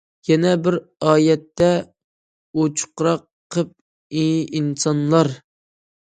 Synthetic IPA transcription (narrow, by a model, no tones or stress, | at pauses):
jɛnɛbɪɾɑːjɛt̪ʰːɛ | ot͡ʃʰu̥qɾɑqʰːəp̚ | iinsɑnlˠɑɾ